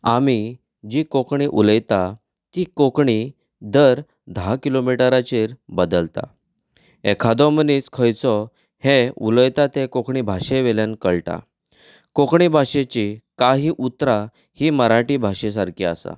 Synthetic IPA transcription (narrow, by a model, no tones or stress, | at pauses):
ami | d͡ʑikokɳiʔuləjt̪a | t̪ikokɳi | d̪əɾ | d̪ʱakilomiʈəɾat͡ɕiɾbəd̪əlt̪a̰ | ekʰad̪ɔməniːt͡skʰəjt͡sɔ | heuləjt̪at̪ekokɳibʱaɕeʋeljãnkəɭʈa̰ | kokɳibʱaɕet͡ɕikaɦiːʔut̪ɾa | hiːməɾaʈibʱaɕes̬aɾkia̰sa̰